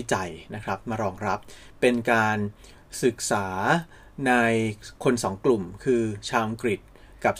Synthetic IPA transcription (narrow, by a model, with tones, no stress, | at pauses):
t͡ɕa˨˩jna˦˥kʰɾa˦˥p̚maː˧ɾɔː˧ŋɾa˦˥p̚ːe˧nkaː˧n | sɯ˨˩k̚saː˩˦ | na˧jkʰo˧nsɔː˩˦ŋklu˨˩mkʰɯː˧t͡ɕʰaː˧wʔa˧ŋkɾi˨˩t̪̚ | ka˨˩p̚